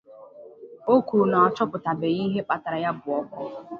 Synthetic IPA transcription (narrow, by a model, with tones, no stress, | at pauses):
o˦ku˨u˨na˨ɔ˨t͡ʃɔ˦pʊ˨ta˨be˨ɣi˦ɦe˦k͡pa˦ta˨ɾa˨ja˦bʊ˨ɔ˦kɔ˦